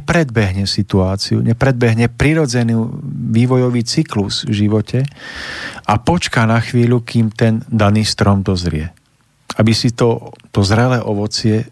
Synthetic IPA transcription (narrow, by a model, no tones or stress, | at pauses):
ɛpɾɛd̪̚bɛɦɲɛsit̪uaːt͡siṵɲɛpɾɛd̪̚bɛɦɲɛpɾiɾɔd͡zɛniːʋiːʋɔjɔʋiːt͡sikluz̥vʒiʋɔcʰɛ | ʔapɔt͡ʃkanaxʋiːʎukiːmt̪ɛnd̪aniːst̪ɾɔmd̪ɔzɾɪɛ | abisit̪ɔt̪ɔzɾɛlɛʔɔʋɔt͡sɪɛ